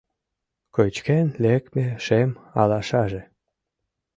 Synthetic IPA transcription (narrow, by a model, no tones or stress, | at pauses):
kojt͡ɕkenlekmeʃemɑlɑʃɑʒe